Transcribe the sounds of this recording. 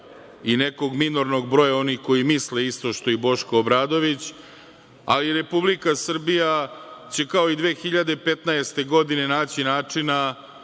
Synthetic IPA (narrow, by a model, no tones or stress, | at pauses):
ine̞ko̞ɡmino̞ɾno̞ɡ̚bɾo̞jao̞nixko̞jimisleist̪o̞ʃt̪o̞ibo̞ʃkoːbɾaːd̪o̞ʋit͡ɕ | a̰liɾe̞publikasr̩bijat͡ɕe̞kao̞id̪ʋeːxiʎad̪e̞pe̞t̪naest̪e̞ɡo̞d̪ine̞naːt͡ɕinaːt͡ʂina